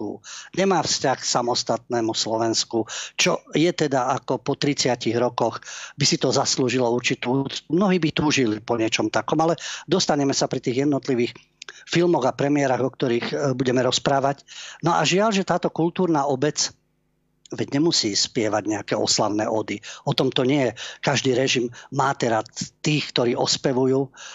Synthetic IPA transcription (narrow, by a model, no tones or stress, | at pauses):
ṵɲɛmaːfscaxsamɔst̪at̪̚nɛːmuslɔʋɛnskut͡ʃɔjɛt̪ɛd̪aʔakɔpɔt̪ɾit͡sɪaciɣɾɔkɔxbisit̪ɔzasluːʒilɔuɾt͡ʃit̪uːt͡sumnɔɦiːbit̪uːʒilipɔɲɪɛt͡ʃɔmt̪akɔmalɛd̪ɔst̪aɲɛmɛsapɾit̪iːɣjɛd̪nɔt̪liʋiːx | filmɔɣapɾɛmɪɛɾaɣɔk̚t̪ɔɾiːxbuɟɛmɛɾɔspɾaːʋacnɔʔa̰ʒɪalʒɛt̪aːt̪ɔkult̪uːɾnaːʔɔbɛt͡s | ʋɛɟɲɛmusiːspɪɛʋaɟɲɛakɛːʔɔ̰slaʊnɛ̰ːʔɔd̪iɔt̪ɔmt̪ɔɲɪɛjɛkaʒd̪iːɾɛʒimːaːt̪ɛɾat̪iːxkt̪ɔɾiːʔɔspɛʋujuː